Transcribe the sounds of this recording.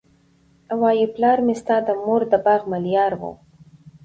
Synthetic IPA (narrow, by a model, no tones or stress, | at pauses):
awɑjiplɑːɾmɪst̪ɑd̪amoɾd̪əbɑɣmaljɑɾwo̰